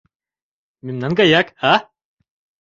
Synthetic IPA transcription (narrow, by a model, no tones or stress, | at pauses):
mimnaŋɡajaka